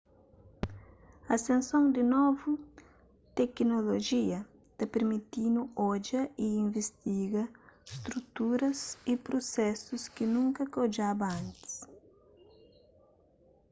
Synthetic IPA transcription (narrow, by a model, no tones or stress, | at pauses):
ɐsẽnsõŋd̪ɪnovʊ | t̪ɛknoloʒiɐ | t̪ɐpeɾmit̪inʊɔd͡ʒɐɪĩɱvest̪iɡɐst̪ɾut̪uɾɐsɪpɾosɛsʊskɪnũŋkɐkod͡ʒabɐãnt̪ɪ̥s